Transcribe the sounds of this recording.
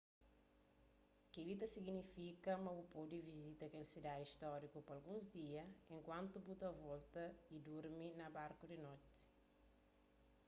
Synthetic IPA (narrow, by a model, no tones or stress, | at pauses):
kilit̪ɐsiɡnifikɐmɐbupowd̪ivizit̪ɐkeɾsid̪ad̪iʃt̪ɔɾikupɐlɡũzd̪iɐẽŋkwãnt̪ubut̪ɐvɔlt̪ɐid̪uɾminɐbaɾkud̪inɔt̪i̥